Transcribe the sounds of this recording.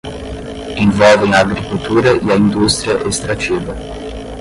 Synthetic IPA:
iɱvɔveinaɡɾikult̪uːɾejaind̪ust̪ɾjeʔest̪ɾat͡ʃiːve

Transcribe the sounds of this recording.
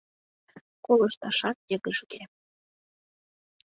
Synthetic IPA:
kolɤ̆ʃt̪ɑʃɑt̪̚jəɣəʒɣe

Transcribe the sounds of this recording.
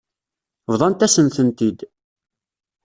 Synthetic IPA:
vðˤɑnt̪æsənθənt̪id̪

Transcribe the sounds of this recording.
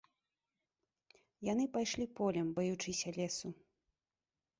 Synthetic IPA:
jan̪ɨpajʂlʲipɔlʲɐmbɔjut͡ʂɨsʲɐlʲɛsu

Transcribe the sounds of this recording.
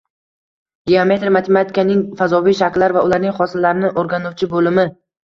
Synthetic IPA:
ɡʲeame̞t̪ɾmat̪ʰe̞mat̪ʰɪkanɪŋfazɒvijʃakʲlaɾvaʊlaɾnɪŋχɒsɪlːaɾɪnɪʔoɾɡʲanʊwt͡ʃʰɪbolɪmɪ

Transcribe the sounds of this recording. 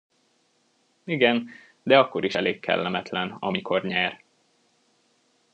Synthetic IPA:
iɡɛn | d̪ɛɒkːo̞ɾiʃɛleːkʰːɛ̰lːɛmɛt̪lɛnɒ̰mikʰo̞rɲɛr

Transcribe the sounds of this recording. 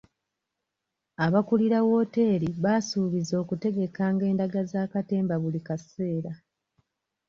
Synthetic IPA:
aβakuliɾawo̞ːte̞ːɾiβaːsuːβizo̞ːkute̞ɡe̞kaːŋɡe̞ːndaɡazaːkate̞ːmbaβulikase̞ːɾa

